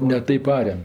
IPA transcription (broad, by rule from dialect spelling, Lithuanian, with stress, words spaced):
nʲɛ ˈtɐɪp ˈɑːrʲɛm